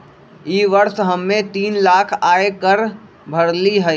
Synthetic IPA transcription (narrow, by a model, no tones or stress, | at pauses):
iːʋəɾsɦəmːẽt̪iːnlaːkʰaːekəɾ | bʱəɽliɦə